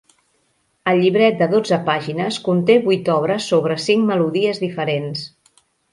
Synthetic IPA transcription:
əlʎːiβɾɛt̪̚d̪əðod͡zəpaʒinəskunt̪eβujt̪ɔβ̞ɾəsːoβ̞ɾəsiŋməluðiəzðifəɾens

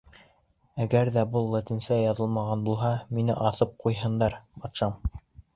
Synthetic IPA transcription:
æɡæɾðæbɤlˠːɑt̪insæjɑðɤ̆lˠmɑʁɑnbulˠɦɑminɘ̰ʔɑθɤp̚qujɦɤ̆nd̪ɑɾbɑt̪ʃɑm

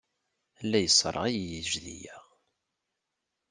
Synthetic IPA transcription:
lːæjəsˤːɾˤɑ̰ʁijjəʒðḭjæ

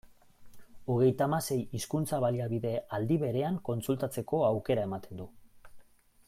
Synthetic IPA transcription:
oɣ̞e̞jt̪amase̞jiskunt͡saβaliaβiðe̞ald̪iβe̞ɾe̞aŋko̞nsult̪at͡se̞ko̞awke̞ɾae̞mat̪e̞nd̪u

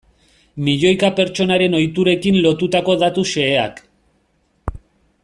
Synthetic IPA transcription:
miʎo̞jkape̞ɾt͡ʃo̞naɾe̞no̞jt̪uɾe̞kinlo̞t̪ut̪ako̞ðat̪use̞ːa̰k

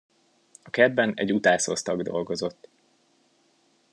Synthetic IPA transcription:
ɒkɛd̪bɛnɛ̰ɟːut̪aːsost̪ɒɡd̪o̞̰lɡo̞zo̞t̪ː

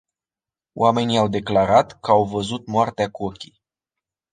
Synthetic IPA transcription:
o̰wame̞niawd̪e̞klaɾat̪kəawvəzut̪̚moart̪eakuo̞kʲij

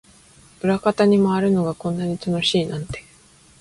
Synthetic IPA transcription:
ɯ̟ɾakat̪aɲ̟imoaɾɯ̟no̞ɡakõ̞nːaɲ̟it̪ano̞ɕiːnãnt̪e̞̥

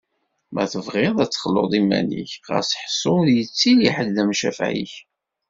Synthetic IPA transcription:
mæθəvʁɪðˤæt͡sːχəlːo̰ðˤimæ̰nḭçʁə̰sħsˤːoðjət͡sːiliħədðæmʃæ̰fʕḭç

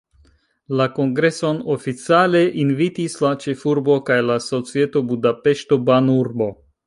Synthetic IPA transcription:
lako̞ŋɡɾe̞so̞nofit͡sale̞ʔinvitislat͡ʃe̞fuɾbo̞kajlaso̞t͡sie̞to̞budape̞ʃto̞banuɾbo̞

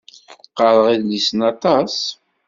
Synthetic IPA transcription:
qəɾˤəʁiðlisənɑt̪ˤɑs

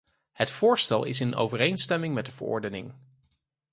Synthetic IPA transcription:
hətfʊːɹstɛlˠɪ̰sɪno̰wvərejnstɛmɪŋmɛt̚dəvə̰ɹɔ̰ɹdənɪŋ

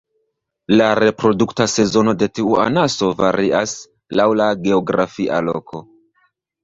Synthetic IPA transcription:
laɾe̞pɾo̞duktase̞zo̞no̞de̞tiua̰naso̞vaɾiʔas | lawlaɡe̞oɡɾafiʔa̰lo̞̰kʰo̞

